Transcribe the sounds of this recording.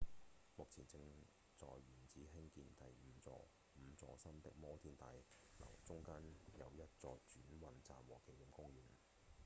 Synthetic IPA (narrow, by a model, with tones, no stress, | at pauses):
mʊ˨k̚t͡sʰiː˨˩nt͡sɪ˧ŋ | t͡sɔː˨jɥyː˨˩nt͡siː˨˥ɦɪ˥ŋkiː˧nt̪ɐ˨jm̩˨˧t͡sɔ̰ː˧ | m̩˨˧t͡sɔː˧sɐ˥mt̪ɪ̰˨˥k̚mɔː˥t̪ʰiː˧˥nt̪aː˧jlɐ̰˨˩wt͡sʊ˥ŋkaː˥njɐ˨˧wjɐ˥t̚t͡sɔː˧t͡ʃyː˨˥nwɐ˧nt͡saː˨mwɔː˨˩kʰe˨˥jji˨˧mkʊ˥ŋɥyː˨˩n